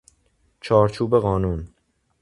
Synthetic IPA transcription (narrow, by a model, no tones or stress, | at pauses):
t͡ʃʰɒːɾt͡ʃʰuːbe̞ɣɒːnuːn